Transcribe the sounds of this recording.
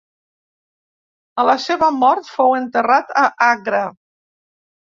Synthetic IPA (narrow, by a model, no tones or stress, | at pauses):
ələseβəmɔɾt̪fowənt̪ərat̪əʔaɣɾə